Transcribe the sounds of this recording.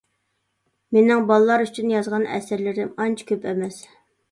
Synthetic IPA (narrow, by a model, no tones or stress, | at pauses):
menɪŋbɑlˠɨlˠɑɾyt͡ʃʰynjɑzʁɑnɛ̰sɪɾlɪɾɪmɑnt͡ʃʰi̥kʲʰøpɛmɛs